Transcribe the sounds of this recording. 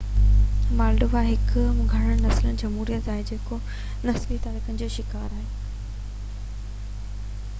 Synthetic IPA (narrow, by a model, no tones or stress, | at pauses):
maːlɖʊʋaɦɪkmʊ̃ɡʱɐɽ̃əɽ̃nɐslənɪ̆d͡ʑɐmɦuːɾijət̪aːɦed͡ʑeːko | nɐslit̪aːɾɪkənɪ̆d͡ʑoːʃɪkaːɾaːɦeː